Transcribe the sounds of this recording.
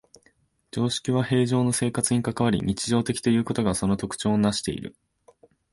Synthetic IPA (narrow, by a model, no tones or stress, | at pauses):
d͡ʑo̞ːɕi̥kʲiβahe̞ːʑo̞ːno̞se̞ːkat͡sɨɲ̟ikakaβaɾʲḭɲ̟it͡ɕiʑo̞ːt̪e̞kʲi̥t̪o̞jɯ̟ːko̞t̪o̞ɡaso̞no̞t̪o̞kɯ̟̥t͡ɕo̞ːnaɕi̥t̪e̞̰ḭɾɯ̟̰